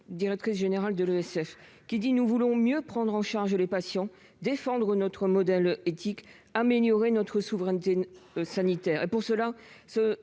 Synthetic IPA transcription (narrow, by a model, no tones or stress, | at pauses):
d̪iʁɛk̚t̪χis̬ʒeneʁald̪əlyɛsɛf | kʲid̪inuvulɔ̃mjøpχɑ̃d̪ʁɑ̃ʃaʁʒlepasjɑ̃ | d̪efɑ̃d̪ʁənɔt̪χəmɔd̪ɛlet̪ik | ameljɔʁenɔt̪χəsuvʁɛnt̪esanit̪ɛːʁepuʁsəlasə